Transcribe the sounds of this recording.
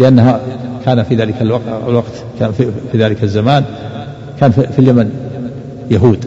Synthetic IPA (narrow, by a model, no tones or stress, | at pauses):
lɪʔanːahakʰaːnafiðaːlɪkalwaqa̰lwaqt̪kaifiðaːlɪkazːamaːn | kʰaːnfifiljaman | jaɦuːd̪